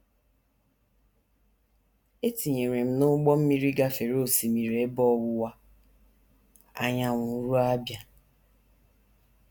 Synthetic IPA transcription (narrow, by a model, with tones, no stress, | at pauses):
e˦ti˨ɲe˨ɾe˨m̩˦nʊ˦ɡ͡bɔ˦m̩˦mi˦ɾi˦ɡa˦fe˨ɾo˦o˦˨si˨mi˨ɾe˨˦bɔ˦˨wʊ˦wa˦ | a̰˦ɲa˦ŋʷʊ˨˦ɾu˦a˦bja˨